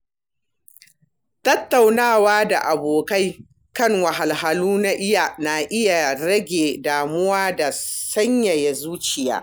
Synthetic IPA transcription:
tɐ˦tːa˨wnaː˦˨waː˦da˨ʔa˨boː˨ka˦j | kɐ˦ŋwɐ˨ɦa˨lɦa˨luː˦na˦ʔɪ˦ja˨na˨ʔɪ˦ja˨ɽɐ˦ɡʲeː˨daː˨mʊ˦waː˦da˨sɐ˦ɲja˨ja˨zuː˦t͡ʃɪ˨ja̰ː˦

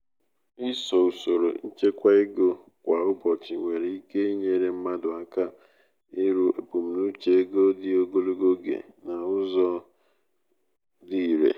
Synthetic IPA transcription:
ɪ˦sɔ˨u˨so˨ɾo̰˨n̩˦t͡ʃe˦kʷa˦ɪ˦ɡo˦ | kʷa˨ʊ˦bɔ˨t͡ʃɪ˨ŋʷe˨ɾe˨i˦ke˦i˦ɲe˨˦ɾe˨m̩˦ma˦dʊ˨a˦ka˦ | ɪ˦ɾu˦ʔe˨pu˨m̩˨nu˦t͡ʃe˨e˦ɡo˦dɪ˦o˦ɡo˦lo˦ɡo˦ɡḛ˨ | na˨ʊ˦zɔ˦ | di˦˨ɾḛ˨

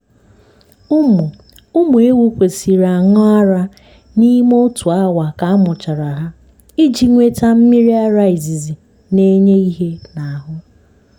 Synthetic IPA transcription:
ʊ˦mu˨ | ʊ˦mu˨e˦wu˦kʷe˨si˨ɾa˨ŋʊ˦a˦ɾa˦ | ni˦mo˦tu˨a˦wa˨ka˨a˦mʊ˨t͡ʃa˨ɾa˨ɦa˦ | i˦d͡ʒi˨ŋʷe˦ta˦m̩˦mi˦ɾi˦a˦ɾa˦ɪ˨zi˨zi˨ | ne˦ɲe˦i˦ɦe˦na˨a˨ɦʊ˦

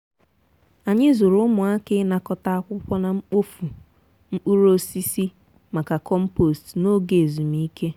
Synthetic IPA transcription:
a˨ɲɪ˦zo˨ɾʊ˦ʊ˦mʊ˨a˦kɪ˦na˨kɔ˨ta˦a˦kʷʊ˦kʷɔ˦na˨ŋ͡m̩˦k͡po˦fu˨ | ŋ͡m̩˦k͡pu˦ɾo˦si˦si˦ | ma˨ka˨kɔ˦m̩˦po˨stno˦ɡe˨e˨zu˨mi˦kʰe˦

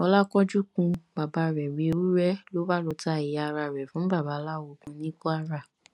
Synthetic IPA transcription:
ɔ˧la˦kɔ˦d͡ʒu˦kũ˧ba˨ba˨˧ɾɛ˨ɾi˧˦o˧ɾu˦ɾɛ˦lo˦ba˦lo˧ta˧˨i˨a˧ɾa˧˨ɾɛ˨fũ˨˦ba˦˨ba˨˦la˦˨wo˧kũ˨˧nĩ˦kɔ˦a˧ɾa˦˨

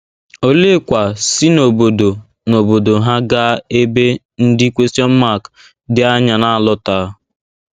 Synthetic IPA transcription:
o˦le˦kʷa˨sɪ˦no˨bo˨do˨ | no˨bo˨do˨ɦa˦ɡa˦e˦be˦ | n̩˦dɪ˦kʷe˦stjɔ˦m̩˦ma˦˨k | dɪ˦a˦ɲa˨na˦a˨lɔ˦ta˦

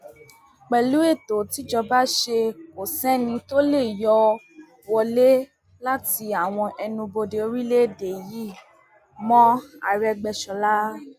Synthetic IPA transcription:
k͡pɛ˨lu˨˦e˦˨to˨ti˨˦d͡ʒɔ˧ba˦ʃe˧o˨sɛ̃˦nĩ˧to˦le˦˨jɔ˦ | wɔ˧le˦ | la˦ti˧a˨w̃ɔ̃˧ʔɛ˧nũ˧bo˧de˧o˧ɾi˦le˦de˨ji˦˨ | mɔ̃˦a˦˨ɾɛ˧ɡ͡bɛ˧ʃɔ˧la˦

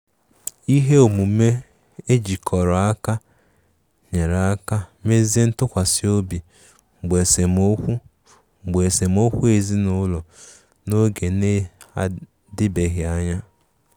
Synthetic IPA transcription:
i˦ɦe˦o˨mu˨me˦ | e˦d͡ʒi˨kʰɔ˨ɾɔ˨a˦ka˦ | ɲe˨ɾa˦ka˦me˦ze˦n̩˦tʊ˦kʷa˨si˦o˦bi˨ | ŋ͡m̩˨ɡ͡be˨se˨mo˦kʷu˦ | ŋ͡m̩˨ɡ͡be˨se˨m˦o˦kʷu˦e˨zi˦nʊ˦lɔ˨ | no˦ɡe˨ne˦a˦ | dɪ˦be˨ɦɪ˨a˦ɲa˦

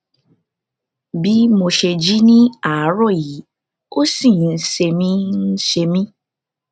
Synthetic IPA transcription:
bi˦mo˧ʃe˧d͡ʒi˦nĩ˦a˨˦ɾɔ˦˨ji˨˦ | o˦sĩ˦˨n̩˦se˧mĩ˦n̩˦ʃe˧mĩ˦

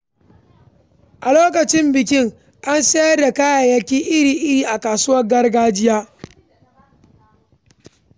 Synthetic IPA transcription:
ʔa˨loː˦k̬ɐ˨t͡ʃɪ˦mbɪ˨kʲɪ˦ŋ | ʔa˦nseː˦jɐ˦rda˨kaː˦jaː˨jɐ˦kʲiː˦ʔɪ˦ɾiː˨ʔɪ˦ɾiː˨ʔa˨kaː˨sʊ˦wɐ˦rɡɐ˦rɡaː˦d͡ʒɪ˦jaː˦

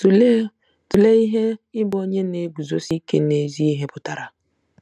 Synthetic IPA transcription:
tu˨le˦i˦ɦe˦ɪ˦bo˦ɲe˦ne˨˦ɡ͡bu˨zo˦si˦ke˦ne˨zi˦i˦ɦe˦pʊ˨ta˨ɾa˨

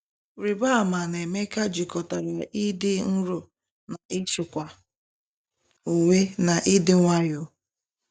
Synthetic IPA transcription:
ɾi˨ba˦˨ma˨ne˨me˦ka˦d͡ʒi˨kɔ˨ta˨ɾa˨ʔi˦dɪ˦n̩˦ɾʊ˨ | na˨ʔɪ˦ʃɪ˨kʷa˨ | o˨ŋʷe˦na˨ʔɪ˦dɪ˦ŋʷa˦jʊ˦

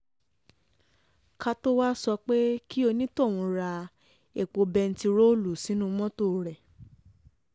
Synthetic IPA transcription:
ka˦˧to˦wa˦sɔ˧k͡pe˦kʰi˦o˧nĩ˦to˦˨w̃ɔ̃˧ɾa˧ | e˨k͡po˧bɛ˧n̩˦ti˧ɾo˦˨lu˨sĩ˨˦nũ˦mɔ̃˦to˦˨ɾɛ˨

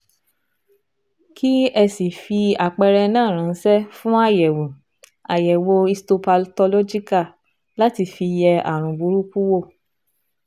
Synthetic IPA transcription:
kʰi˦ɛ˧si˨fi˧a˨k͡pɛ˧ɾɛ˧nãː˦˨ɾ̃ã˨n̩˦sɛ˦fũ˦a˦˨jɛ˨wũ˨ | a˨jɛ˨wo˧i˧sto˧pa˧lto˧lo˦d͡ʒi˦ka˦˨ | la˦ti˧fi˧jɛ˧a̰˨ɾ̃ũ˨ɡ͡bu˨˦ɾu˦ku˦wo˦˨

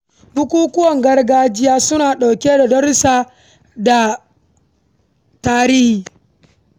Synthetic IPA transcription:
bʊ˦kʷuː˦kʊ˦wɐ˨ŋɡɐ˦rɡaː˦d͡ʒɪ˦jaː˦sʊ˦naː˨ɗa˨wkʲeː˦da˨dɐ˦ɾsaː˦ | da˨ | taː˦ɾiː˦hiː˨

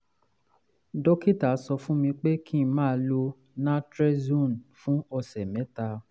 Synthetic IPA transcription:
dɔ˦ki˦ta˨˦sɔ˧fũ˦mĩ˧k͡pe˦kʰĩ˦˨˦mãː˦˧˦lo˧ | nã˦tɾɛ˦zũ˦˨nfũ˦ɔ˧sɛ˨mɛ̃˨˦ta˧

